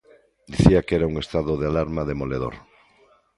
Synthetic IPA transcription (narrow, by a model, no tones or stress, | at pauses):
d̪iθiakeɾauŋest̪aðoðealaɾmaðemoleð̞o̰ɾ